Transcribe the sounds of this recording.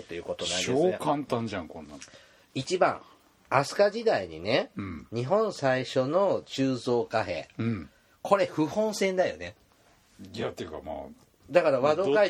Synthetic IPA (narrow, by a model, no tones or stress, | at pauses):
t̪ːo̞jɯ̟ːko̞t̪onaiɕeosːkãnt̪ãɲd͡ʑãŋkõnːã̰ | it͡ɕibã̰ŋ | asɨ̥kaʑid̪aiɲ̟inẽ̞ɲ̟iɦõ̞ñsaiɕo̞no̞t͡ɕɨːzo̞ːkaɦẽ̞̰ː | kʰo̞ɾe̞ɸɯ̟hõ̞ɰ̃sẽ̞nd̪ajo̞̰ne̞ | iat̪ːejɯka̰ma̰ː | d̪akaɾaβad̪o̞kai